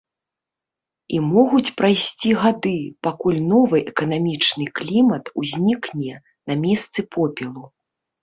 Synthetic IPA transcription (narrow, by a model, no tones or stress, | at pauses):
imɔɣut͡sʲpɾajsʲt͡sʲiɣad̪ɨpakulʲn̪ɔvɨʔɛkɐnamʲit͡ʂnɨklʲimɐt̪uzʲnʲiknʲɛ | namʲɛst̪sɨpʰɔpʲɛlˠu